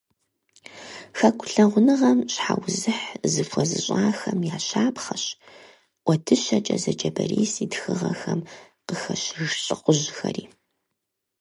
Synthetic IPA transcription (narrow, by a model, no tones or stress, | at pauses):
xɐkʷʰʼʊɬɐʁʷʊnɨʁɐmɕħawzɨħzɨfʷɔzɨɕʼaːxɐmjaːɕaːpχɐɕ | ʔʷɔdʰɨɕɐt͡ʃʼɐzɐd͡ʒɐbɐriːsiːdxɨʁɐxɐm | qəxɐɕɻɬʼɨqʷʊʑxɐriː